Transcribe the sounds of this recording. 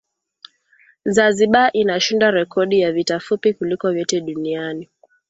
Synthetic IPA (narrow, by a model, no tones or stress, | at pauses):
zaziɓaʔinaʃindaɾɛkʰɔɗijavitafupikulikɔvjɔtɛɗuniani